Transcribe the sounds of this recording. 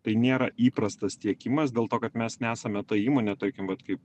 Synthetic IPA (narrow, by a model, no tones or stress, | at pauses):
t̪ɐɪnʲeːɾɐʔiːpɾɐst̪ɐst̪ʲiɛkʲɪmɐs̬d̪ʲeːlˠt̪oːkɐt̪mʲɛsnʲæːsɐmʲɛt̪ɐiːmoːnʲɛt̪ɐɾʲkʲɪmʋɐt̪kɐɪp